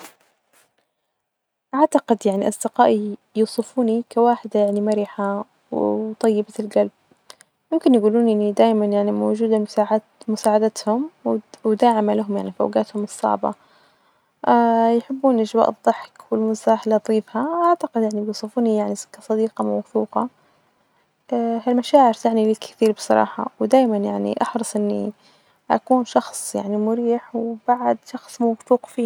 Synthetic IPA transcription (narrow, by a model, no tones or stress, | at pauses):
ʔaʕt̪aqɪd̪jaʕniʔɑsˤd̪ɪqaːʔijusˤɨfuːnikawaːħɪd̪ajaʕnimaɾiħa | wt̪ˤɑjːɪbaɪlɡalb̚ | mʊmkɪnjɡuːluːnʔɪnːid̪aːjmanjaʕnimo̰ːd͡ʒuːd̪asaːʕa | mʊsaːʕad̪at̪hʊmwwd̪aːʕɪmalaɦʊmjaʕnifʔa̰wɡaːt̪hʊmɨsˤːɑ̰ʕbɑ̰ | ajħɪbːuːnʔaʒwa̰ːʔɨðˤːɨħkwɪlmʊsaːħɪlat̪ˤiːfhaʔaʕt̪aqɪd̪jaʕnibjuːsˤɨfuːnijaʕni̥kːasˤɑd̪iːqɑmawθuːqɑ | ɦalmaʃaːʕɪɾt̪aʕnilɪkθiːɾbɨsˤɑ̰ɾˤɑ̰ːħɑ̰wd̪aːjmanjaʕnḭʔɑħɾɑsˤʔɪnːḭ | ʔa̰kuːnʃɑxsˤjaʕnimʊɾiːħwb̥aʕd̪ʃɑxsˤmawθuːqfiː